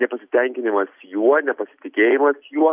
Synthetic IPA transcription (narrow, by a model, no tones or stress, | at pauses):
nʲɛpɐsʲɪt̪ʲɛŋʲkʲɪnʲɪmɐsjuɔnʲɛpɐsʲɪt̪ʲɪkʲeːjɪmɐsjuɔ